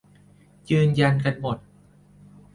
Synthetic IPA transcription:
jɯː˧nja˧nka˧nmo˨˩t̪̚

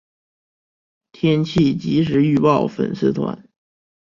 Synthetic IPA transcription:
t̪ʰjɛ˥nt͡ɕʰi˥˩t͡ɕi˧˥ʂ̬ɻ̩˧˥y˥˧pɑ˥˩ʊfə̰˨˩nsɹ̩˥˩t̪ʰwa̰˧˥n

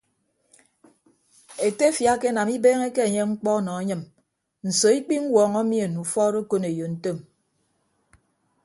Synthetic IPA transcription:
e˨te˦fja˦ke˦na˨mi˦beː˦ŋe˦ke˦e˨ɲe˦ŋ͡m̩˦k͡pɔ˦nɔ˨a˦ɲɨ˦˨m | n̩˨so˨i˦k͡pi˦ŋ̩˦wɔː˨ŋɔ˦mi˦e˨nu˨fɔ˦ɾo˦ko˦ne˨jo˨n̩˦to˦˨m

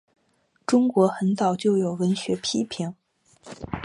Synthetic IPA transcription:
ʈ͡ʂʊ˥ŋkwɔ˧˥xə˧˥nt͡sɑ˨˩ʊt͡ɕjo˥˩ʊjo˨˩ʊwə˧˥nɕɥɛ˧˥pʰi˥pʰi˧˥ŋ

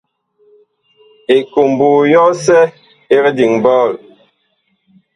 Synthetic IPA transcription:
e˨ko˨m˨buː˨jɔ˦sɛ˦ | e˦ɾdi˨ŋbɔː˦˨l

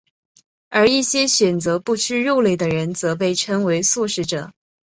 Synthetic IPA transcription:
ə˞˧˥i˥˩ɕjɛ˥ɕɥɛ˨˩nt͡sɤ˧˥pu˥˧t͡ɕʰy˥˧ɻo˥˧ʊle˥˩ɪd̪ə˩ɻə˧˥nt͡sɤ˧˥p̬e˥˧ɪʈ͡ʂʰɤ˥ŋwe˧˥ɪsu˥˧ʂɻ̩˥ʈ͡ʂɤ̰˨˩˦

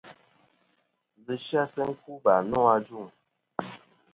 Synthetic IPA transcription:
zɨ˨ʃja˦sɛ˦ŋ̩˦ku˦ba˨nɔ̃˦a˦d͡ʒu˦˨ŋ

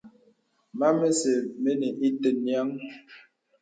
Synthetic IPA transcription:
ma˦me˦se˨me˦ne˨ʔi˦tə˨nja˦ŋ

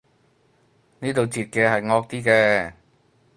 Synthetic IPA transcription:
niː˥t̪o˨wt͡siː˨t̚kɛː˧ɦɐ˨jŋɔː˧k̚t̪iː˥kɛː˧

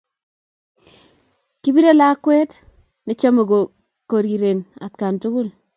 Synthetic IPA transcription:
ki˦bi˦ɾo˦la˦kwɛ˦t | ne˨˦t͡ʃa˦mo˨ɡo˨ | ko˨ɾi˨ɾe˨na̰˨t̚ka˨ntu˦kʊ˦l

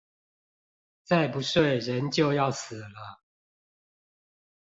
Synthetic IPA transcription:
t͡sa˥˨ɪpu˨˦sʂwe˥˨ɪɻə˨˦nt͡ɕjo˥˨ʊjɑ˥˨ʊs̩˨˩lə˦

